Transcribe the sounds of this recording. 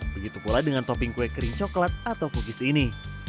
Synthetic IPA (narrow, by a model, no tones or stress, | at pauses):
bəɡit̪upuladəŋant̪ɔpɪŋkuekɾiŋt͡ʃɔklat̪̚at̪awkukisini